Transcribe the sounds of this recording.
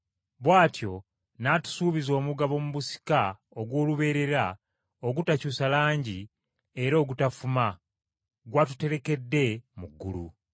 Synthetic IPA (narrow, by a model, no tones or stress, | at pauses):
βwaːtjo̞ | natu̥suːβizo̞ːmuɡaβo̞muβusi̥ka | oɡwo̞ːluβe̞ːɾe̞ɾa | oɡutacuːsalaːɲɟi | e̞ɾo̞ːɡutafuma | ɡwatu̥te̞ɾe̞ke̞dːe̞muɡːṵlṵ